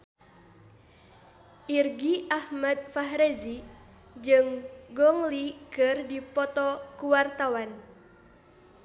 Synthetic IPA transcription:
ʔirɡiʔahmad̪̚faɦɾezi | d͡ʒɨŋɡɔŋlikɨrdipɔt̪ɔkuwart̪awan

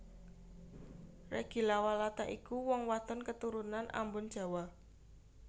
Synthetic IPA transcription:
reɡ̥ilawalat̪aʔikuwɔŋwat̪ɔnkət̪uɾunanʔa̰mbʊn̥d͡ʒ̥a̤wa

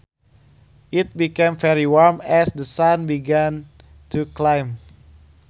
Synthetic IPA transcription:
ʔit̪̚bikẽmvɛɹiwaɹmɛsdəsãnbiɡɛ̃n | tʰuklãjm

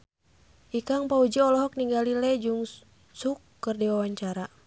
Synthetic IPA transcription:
ʔikaŋpaud͡ʒiɔlɔɦɔk̚niŋɡalilɛd͡ʒuŋ | sukːɨrdiwawaɲt͡ʃaɾa

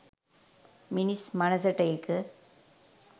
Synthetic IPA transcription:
mɪnismɐnɐsɐʈːɐjɪkːɯ

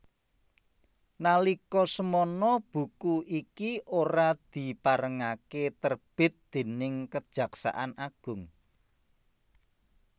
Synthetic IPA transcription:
nalikɔsəmɔnɔb̥ṳkuikiʔoɾad̪̥i̤paɾəŋaket̪ərb̥ɪ̤t̪̚d̪̥e̤nɪŋkəd̥ʒ̥ä̤ksa̰ʔanaɡ̥ʊ̤ŋ

